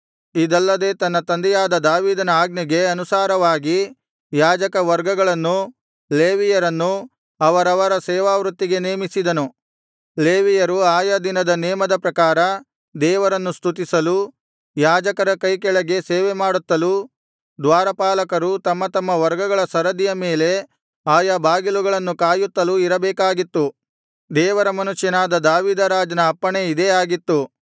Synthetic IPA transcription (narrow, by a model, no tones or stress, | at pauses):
id̪ɐlːɐd̪e̞ːt̪ɐnːɐt̪ɐnd̪ɛjaːd̪ɐd̪aːʋiːd̪ɐnɐaːɡniɡe̞ɐnusaːɾɐʋaːɡi | jaːd͡ʒɐkɐʋɐɾɡɐɡɐɭɐnːu | leːʋijɐɾɐnːu | ɐʋɐɾɐʋɐɾɐsɛːʋaːʋɾut̪ːiɡe̞neːmisid̪ɐnu | leːʋijɐɾuaːjɐd̪inɐd̪ɐnɛːmɐd̪ɐpɾɐkaːɾɐ | d̪ɛːʋɐɾɐnːust̪ut̪̬isɐlu | jaːd͡ʒɐkɐɾɐkɐjkɛɭɐɡe̞seːʋemaːɽut̪ːɐlu | d̪ʋaːɾɐpaːlɐkɐɾut̪ɐmːɐt̪ɐmːɐʋɐɾɡɐɡɐɭɐsɐɾɐd̪ijɐmeːle̞ | aːjɐbʱaːɡiluɡɐɭɐnːukaːjut̪ːɐluiɾɐbɛːkaːɡit̪ːu | d̪ɛːʋɐɾɐmɐnuʂjɐnaːd̪ɐd̪aːʋiːd̪ɐɾaːd͡ʒɐnɐːpːɐɳeid̪eaːɡit̪ːu